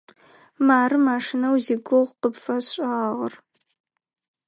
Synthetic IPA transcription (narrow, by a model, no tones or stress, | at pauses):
maːɾɨmaːʂɨnɐwziɡʷoʁʷqəpfɐɕʷʼaːʁə̰r